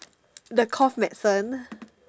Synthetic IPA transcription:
dəkʰɔfmɛʔsə̃n

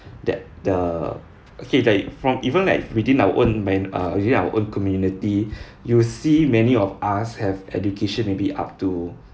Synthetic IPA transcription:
dɛ̰t̚də | ʔokelaɪkfɹɔ̃mivə̃nla̰ɪkwidĩnawə̰ʔõnmãjna̰widĩnawə̰ʔõnkɔmjuniti | jusimɛniɔfashɛvɛ̰dukʰeʃə̃nmebiʔa̰p̚tu

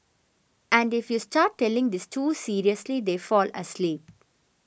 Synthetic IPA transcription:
æ̃ɳɖɪfjusʈaːʈːɛlɪ̃ŋd̪ɪsʈʰuːsiːɾiəslid̪eːfɔːlə̰sliːp̚

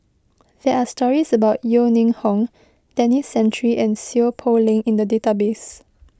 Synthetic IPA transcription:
dɛʔastɔɹisəbaʊtjonĩŋhɔ̃ŋ | tɛ̃nisɛ̃nt͡ʃəɹiʔɛ̃nsipʰolĩŋĩndədetabes

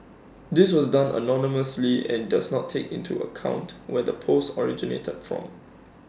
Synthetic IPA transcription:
dɪswɔsdãnʔə̰nɔniməsliɛ̰̃ndasnɔtʰːekḭ̃ntʰuə̰kʰã̰ʊ̃ntwɛdəpʰosɔɹid͡ʒinḛtʰəd̥fɹɔ̰̃m

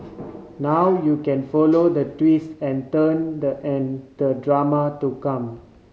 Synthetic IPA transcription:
nawjukɛ̃nfɔlod̪ətwisɛ̃ntəndəʔɛ̃nd̪ədɹamatukãm

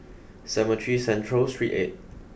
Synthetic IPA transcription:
sɛmətʰɹisɛ̃ntʰɹəlstɹḭʔḛt̚

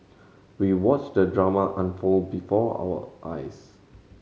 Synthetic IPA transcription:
wiwɔt͡ʃdədɹamaʔãnfolbifɔa̰wə̰ʔa̰js

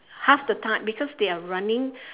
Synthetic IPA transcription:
hafdətʰãt̚bikʰɔsd̪eaɹãnɪ̃ŋ

